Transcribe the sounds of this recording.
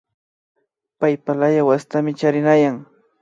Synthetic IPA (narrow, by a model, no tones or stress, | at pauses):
pajpalajawast̪amɪt͡ʃaɾɪnajaŋ